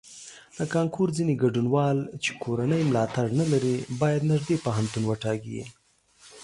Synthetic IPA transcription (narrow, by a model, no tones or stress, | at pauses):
l̥əkɑŋkuɾd͡zineɡaɖunwɑlt͡ʃe̥kʰoɾanəjmlɑt̪aɽnalaɾibɑjad̪naʒd̪epaɦant̪unwəʈɑɡiḭ